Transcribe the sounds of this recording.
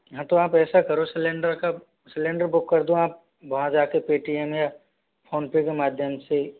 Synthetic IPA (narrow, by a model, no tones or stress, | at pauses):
ɦãt̪oaːpɛːsakɐɾosɪlẽːɳɖəɾka | sɪlẽːɳɖəɾbʊkːɐɾd̪ũaːp̚ | bɐɦãd͡ʒaːkepeːʈiɛmja | pʰoːnpekemaːd̪ʱjəmse